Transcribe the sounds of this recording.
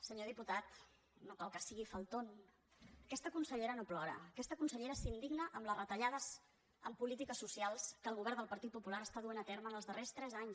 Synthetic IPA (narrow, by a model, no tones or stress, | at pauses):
səɲoðiput̪at̪ | nokalˠkəsiɣifəlˠt̪on | əkɛst̪əkunsəʎeɾənoplɔɾə̰əkɛst̪əkunsəʎeɾəsind̪iɡnəʔəmlərət̪əʎaðəz | əmpulit̪ikəsːusialˠskəlˠɣuβɛɾd̪əlˠpəɾt̪it̪̚pupulaɾəst̪aðuenət̪eɾməːnəlˠzðərest̪ɾɛzaɲ